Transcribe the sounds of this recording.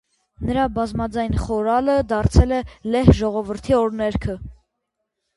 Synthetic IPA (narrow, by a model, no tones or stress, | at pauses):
nəɾɑbɑzmɑd͡zɑjnχɔɾɑləd̪ɑɾt͡sʰɛlɛlɛhʒɔʁɔvəɾt̪ʰiɔɾnɛɾkʰə